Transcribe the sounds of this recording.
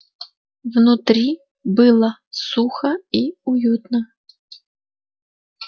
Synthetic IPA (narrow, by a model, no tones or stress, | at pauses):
wnʊt̪ɾʲi | bɪlˠɐsuxɐiujut̪nɐ